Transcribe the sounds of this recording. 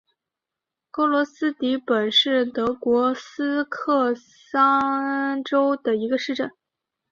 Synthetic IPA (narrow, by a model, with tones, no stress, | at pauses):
kɤ˥lwɔ˧˥sɹ̩˥t̪i˧˥pə˨˩nʂɻ̩˥˩t̪ɤ˧˥kwɔ˧˥sɹ̩˥kʰɤ˥˧ | sɑ˥ʈ͡ʂo˥ʊd̪ə˨i˧˥ɡə˧ʂɻ̩˥˧ʈ͡ʂə˥˩n